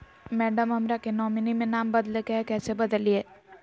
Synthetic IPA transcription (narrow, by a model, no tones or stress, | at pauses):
mɛːɖəmɦɐmɾakenɔːminimẽnaːmbɐd̪lekɛɦkɛːsebɐd̪əlieː